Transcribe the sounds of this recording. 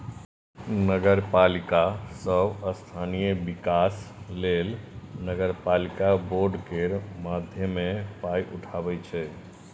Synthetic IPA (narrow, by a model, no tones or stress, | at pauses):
nəɡəɾpalikasəbəst̪ʰanijebikaslelnəɡəɾpalikaboɾɖkeɾmad̪ʱjəmepajʔuʈʰabɛt͡ʃʰɛ